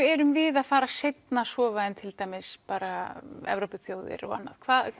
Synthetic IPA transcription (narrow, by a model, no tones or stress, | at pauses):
ɛɾʏmvɪðaðfaːɾasejt̪nasɔːvaðɪnt̪ʰɪlt̪aːjmɪspaːɾaɛ̰vɾowpʏθjoːwðɪ̰ɾɔ̰ɣa̰nːa̰ð̥kʰvaːð